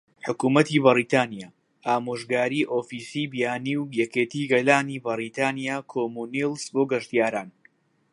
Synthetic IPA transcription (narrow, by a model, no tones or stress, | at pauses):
ħʊkuːmɐt̪ibɨɾiːt̪aːnijaː | ʔaːmoːʒɡaːɾiːʔoːfiːsiːbijaːniwjɛkeːt̪iːɡɐlaːniːbɨɾiːt̪ʰaːnijaːkʰoːmunilsboːɡɐʃt̪jaːɾaːn